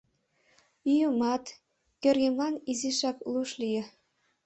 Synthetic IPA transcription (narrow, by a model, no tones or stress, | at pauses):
ijumɑt̪ | kʲɘ̆rʲɡʲĕmlˠɑniziʃɑklˠuʃlʲijɘ̆